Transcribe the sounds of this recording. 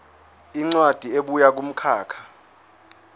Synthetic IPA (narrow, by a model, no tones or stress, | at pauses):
iŋ͡ǀwad̥ʱieɓujak̬um̩kʰaːkʰḁ